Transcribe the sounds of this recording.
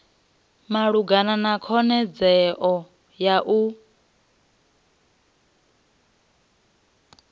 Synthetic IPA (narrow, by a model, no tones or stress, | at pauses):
maɺuɡananakʰɔnɛd͡zɛʔɔ | jaʔu